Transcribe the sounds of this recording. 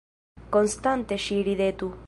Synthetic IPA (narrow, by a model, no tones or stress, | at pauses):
konst̪ant̪eʃiɾiðet̪u